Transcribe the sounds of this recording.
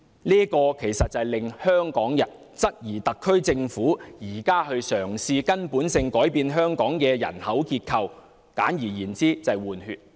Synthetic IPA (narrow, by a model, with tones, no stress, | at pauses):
liː˥kɔː˧kʰe˨˩jsɐ˨t̚t͡sɐ˨jlɪ˨ŋhœː˥ŋkɔː˨˥ŋjɐ˨˩n | t͡sɐ˥t̚jiː˨˩t̪ɐ˨kʰːɵ˥ɥt͡sɪ˧ŋfuː˨˥jiː˨˩kaː˥ɦɵ˧ɥsœː˨˩ŋsiː˧kɐ˥npuː˨˥nsɪ˧ŋkɔː˨˥jpiː˨˧nɦœː˥ŋkɔː˨˥ŋkɛː˧jɐ̰˨˩nhɐ˨˥wkiː˧t̚kʰɐ˧w | ka̰ː˨˥njiː˨˩jiː˨˩nt͡siː˥t͡sɐ˨jwuː˨˩nhyː˧t̚